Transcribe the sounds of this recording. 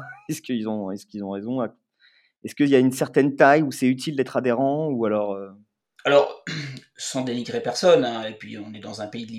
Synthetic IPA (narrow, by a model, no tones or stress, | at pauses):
ɛskʲəilzɔ̃ɛskʲilzɔ̃ʁezɔ̃ak | ɛskəiljaynsɛʁt̪ɛnt̪ajusɛyt̪ild̪ɛt̪χad̪eʁɑ̃ualɔʁø | alɔʁ | sɑ̃d̪eniɡʁepɛʁsɔnɛ̃epɥḭɔ̃nɛd̪ɑ̃zɛ̃peid̪li